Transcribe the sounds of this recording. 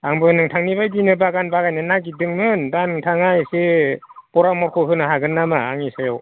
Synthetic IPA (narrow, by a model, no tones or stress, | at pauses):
aŋbɯnɯŋtʰaŋnibajdinɯbaɡanbaɡajnɯnaɡidɯŋmɯndanɯŋtʰaŋajsepɔɾamɔɾkʰɔɦɯnɯɦaɡɯnːamaaŋisajɔw